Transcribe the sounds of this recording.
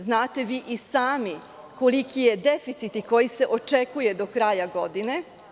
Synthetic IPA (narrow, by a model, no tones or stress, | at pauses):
znaːt̪e̞ʋiːʔisaːmi | ko̞likije̞d̪efit̪sit̪iko̞jise̞ʔo̞t͡ʃekuje̞d̪o̞kɾajaɡo̞d̪ine̞